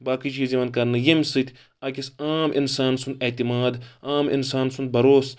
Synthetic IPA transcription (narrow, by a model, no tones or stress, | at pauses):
baːkit͡ʃiːzimɐnd̪kɐɾnɐjɐmsɨt̪ʰʲ | aːkʲisaːmʔḭnsaːnsund̪et̪imaːd̪aːmḭnsaːnsund̪̚bɐɾoːs